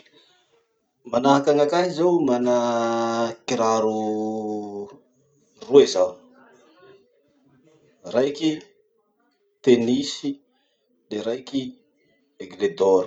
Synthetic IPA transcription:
manaɦakaŋakanizawmana | kiɾaɾu | rueza | rajki | t̪enisi | leɾajki | eɡled̪oɾ

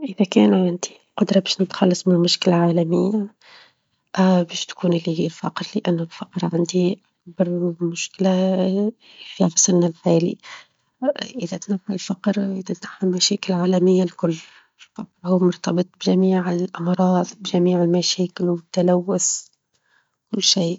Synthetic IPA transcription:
ʔɪðækɛːnʕand̪i | qʊd̪ɾˤɑbɛːʃnɪt̪xɑlːɑsˤmɪlmʊʃkɪlaʕaːlamɪjːa | bɛːʃt̪kuːnʔɪlːilfɑ̰qɾlɪʔanːʊlfɑqɾʕand̪iʔakbɑɾmʊʃkɪla | fiħsɪlnalħaːlḭ | ʔɪðæt̪naħalfɑqɾʔɪðæt̪naħːalmæʃɛːkɪlʕaːlæmɪjːalkʊlː | faqɾhuːmʊɾt̪ɑbɨt̪ˤbʒæmiːʕɪlʔɑmɾˤɑːðˤbʒæmiːʕɪlmæʃɛːkɪlwɪt̪ːalæwːʊs | kʊlːʃiː

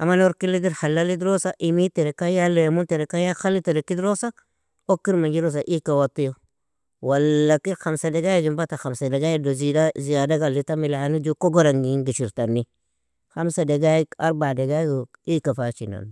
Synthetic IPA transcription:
amanoɾkilːidiɾhalːalidɾosaʔimiteɾekajalejmunteɾekajaxalːiteɾekidɾosa | okiɾmaɡiɾos̬aʔikawatːujo | walːakiɾxamsadeɡajid͡ʒimbataxamsadeɡajidozidazijadaɡalːitamilaanid͡ʒukoɡoɾaŋɡiɡiʃiɾtanːi | xamsadeɡaia̰ɾbadeɡaɡo | ikafat͡ʃina̰n

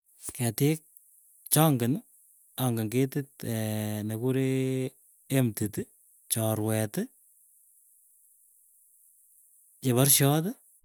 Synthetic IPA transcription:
kɛtɪk̚ | t͡ʃaŋɡɪn | aŋɡɪŋɡetɪtː | nekuɾeː | mtit | t͡ʃɔɾwɛt | t͡ʃeβaɾʃjɔt

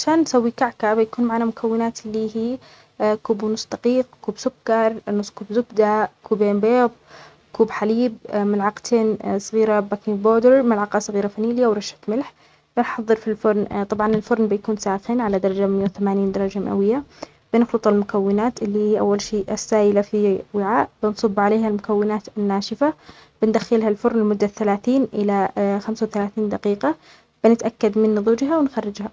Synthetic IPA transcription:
ʕaʃaːnːsawːikaʕkabɪjakuːnmaʕanamʊkʰawːɪnaːt̪ɪlːiːɦiː | kuːbʊnʊsˤːd̪aqiːq̚kuːbsʊkːɑɾˤnʊsˤːkuːbzʊkd̪akuːbeːmbeːð̚ˤ | kuːbħaliːb̚mɪlʕɑqt̪ʰeːnsˤɣiːɾabakɪboːd̪əɾmɪlʕɑqɑsˤɣiːɾafaniːlɪjːawɾˤɑʃḁt̪mɪlħ | b̥ɪnħɑðˤːɨɾfilfʊɾˤnt̪ˤɑbʕɑnɪlfʊɾˤnbɪjakuːnsaːxɪnʕalad̪ɑɾˤɑd͡ʒamɪjːawθamaːniːnd̪ɑɾˤɑd͡ʒama̰ʔa̰wɪjːa | b̥ɪnxlɨt̪ˤɑlmʊkawːɪnaːt̪ɪlːiːiːʔa̰wːalʃiːʔɪsːaːjɪlafiwɪʕaːʔbɪnsˤɨbːʕaleːhalmʊkawːɪnaːt̪ɪnːaːʃɪfa | b̥ɪnd̪axːɪlhalfʊɾnɪlmʊd̪ːaθalaːθiːnʔɪlaxamsawθalaːθiːnd̪aqiːqɑ | b̥ɪnɪt̪ʔakːad̪mɪnːɨðˤuːd͡ʒɦawɪnxarːɪd͡ʒha

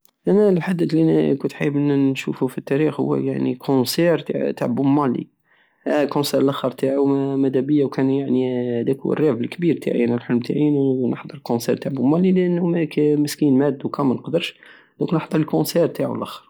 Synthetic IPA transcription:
ʔænælħad̪ːəd̪likʊnt̪ħa̰jbʔənːʃufufit̪ːæɾixhʊ̰wːæ̰ja̰ʕnḭkʰosɛɾt̪t̪a̰ʕbʊmːælḭ | kõsɛɾəlʔæxəɾˤt̪aʕumæd̪æbəjːawkænjaʕnihd̪ækṵə̰rjæbəlkbiɾt̪a̰ʕḭænælħolmt̪ʰa̰ʕinnəħd̪ˤəɾˤəlkonsɛɾt̪aʕbʊmːɑliləʔənːhmækməskinmæd̪ːukæmːænəqd̪əɾʃ | d̪õknəħd̪ˤəɾˤəlkõsɛɾt̪aʕ̰ə̰lʔæxə̥ɾ

